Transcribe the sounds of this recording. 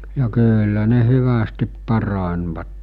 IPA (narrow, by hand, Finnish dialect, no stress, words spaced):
jɑ kyːlːæ ne hyʋæstip pɑrɑnʲʋɑtːe